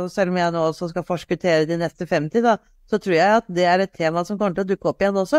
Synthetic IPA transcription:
sɛlːɔmjæɪnoːɔsɔskɑfɔʂkʉt̪ʰeːɾəd̪ɪnɛst̪əfɛmt̪ʰiːd̪əd̪ɑ | sɔt̪ʰɾuːɾjæɪʊɑt̪̚d̪ɛæɾɛt̪ʰːeːmɑsɔmkɔmːəʈ̪əɔd̪ʉkːəɔpːɪjɛnːɔsːɔ

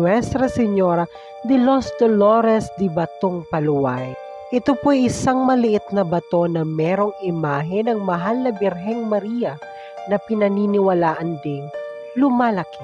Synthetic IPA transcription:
wɛst̪ɾɐsɛɲoɾɐ | d̪ɪlosd̪oloɾɛsd̪ɪbɐt̪oŋpɐlʊwaj | ʔɪt̪opoʔɐjʔɪsaŋmɐlɪʔɪt̪̚nɐbɐt̪o̞nɐmɛːɾo̞ŋɪmaːɦɪnɐŋmɐɦalnɐbɪɾɦɛŋmɐɾijɐ | nɐpɪnɐninɪwɐlaːʔɐnd̪ɪŋ | lʊmaːlɐkɪ

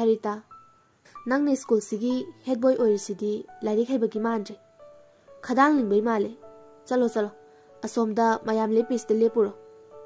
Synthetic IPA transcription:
ɐɾita | nɐŋniskulsiɡihet̚bojojɾɐsidilajɾik̚ɦajbɐɡimandɾi | kʰɐdaŋliŋbɐjmale | t͡ʃɐlot͡ʃɐlo | ɐsomdɐmajamlepisdɐlepːuɾo

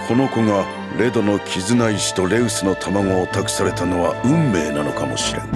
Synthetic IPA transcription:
kʰo̞no̞ko̞ŋa | ɾe̞d̪o̞no̞kʲʰizɨnaiɕi̥t̪o̞ɾe̞ɯsɨno̞t̪ʰamaŋo̞ːt̪akɯ̟̥saɾe̞t̪ano̞βaɯ̟̃mːe̞ːnano̞kamo̞̰ɕiɾe̞̰n

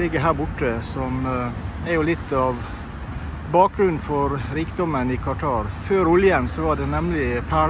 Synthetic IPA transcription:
lɪɡəɦæːɾbʊʈːəsɔmæɾjʊlɪt̪ːɑʋ | bɑːk̚ɡɾʉnnfɔɾɾiːkd̪ɔmənɪkʰɑʈʰɑːɾføːɾʊljəmsɔʋɑɖɛnɛmlɪpʰæː

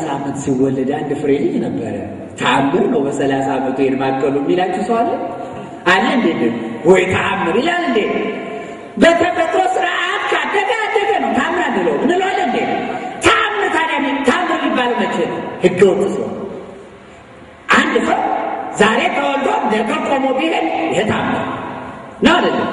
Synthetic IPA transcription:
samːɨnt̪siwɔlːəd̪and̪ɨfɨɾeɲːɪɲːnəbːə̰ɾə̰ | t̪ʰamːɨɾnəwbəsəlasamət̪ʰujenmakʼːəlumːilat͡ʃːɛwsəwalə | anand̪enenhɔjt̪ʰamːɨɾɨjalɨnd̪e | bet̪ʰəpət̪ʼɾosɨɾaʔat̪kʰad̪əd̪əad̪ːəd̪ənəwt̪ʰamːɨɾanːɨləwmɨnɨlolːənd̪ent̪ʰamːɨt̪ʰanamit̪ʰamːɨɾmibːalmət͡ʃːɛnhɨɡːəwot͡ʃːɨswa̰l | ʔand̪səwzaɾet̪ʰəwɔlɡ̪onət̪ok̪ʼəmobihənjɦet̪ʰamːa̰ | ɨnːawad̪əlːəm

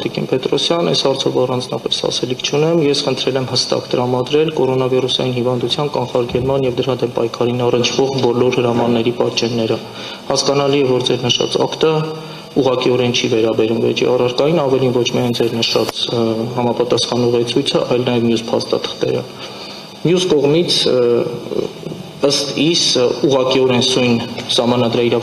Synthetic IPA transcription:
t̪ikḭnpɛt̪ɾɔsjɑnːɛ̰shɑɾt͡sʰɔvɑrɑnd͡znɑpɛshɑ̰sɛlikʰt͡ʃʰunɛmjɛsχənt̪ʰɾɛlɛmhəst̪ɑ̰kt̪əɾɑmɑd̪ɾɛlkɔɾɔnɑvirusɑjinhivɑnd̪ut͡sʰjɑnkɑnχɑɾɡɛlmɑnjɛvd̪əɾɑd̪ɛmpɑjkʰɑɾinɑrənt͡ʃʰv̥ɔʁbɔlɔɾhəɾɑmɑnːɛɾipɑt͡ʃɛnːɛɾə | hɑskɑnɑliɛvɔɾd͡zɛɾnəʃɑ̰t͡sɑ̰kt̪ə | uʁɑkiɔɾɛnt͡ʃʰivɛɾɑbɛɾumvɛ̰t͡ʃʰḭɑrɑɾkɑjinɑvɛlinvɔt͡ʃʰmiɑjnd͡zɛɾnəʃɑt͡shɑmɑpɑt̪ɑsχɑnuʁɛt͡sʰujt͡sʰəʔɑjlnɑjɛvmjuspʰɑ̰st̪ɑ̰t̪ʰə̥χt̪ɛ̰ɾə̰ | mjuskɔʁmit͡sʰ | əst̪isuʁɑkiɔɾɛnsujnsɑhmɑnɑd̪ɾɑiɾɑ

